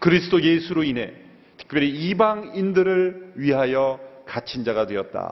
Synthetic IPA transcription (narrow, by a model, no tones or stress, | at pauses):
kɯɾisʰɯdojesʰuɾoinɦe̞̰ | tʰɯ̥k̚pjʌɾiibaŋindɯɾɯɭɥiɦajʌkat͡ɕʰind͡ʑaɣadwe̞ʌt̚t͈a̰